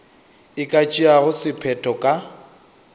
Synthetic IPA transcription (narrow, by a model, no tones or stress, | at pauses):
ɪkʼat͡ʃʼiaɣʊsɪpʰɛtʰʼɔkʼa